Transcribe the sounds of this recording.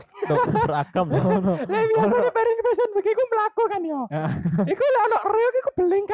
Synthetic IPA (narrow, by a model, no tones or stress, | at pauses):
dəɾa̰kəmlɛbiasanipaɾɪŋfɛsənbəkikuməlakokaniɔikulɛɔnɔʔreokikub̥əlɪŋk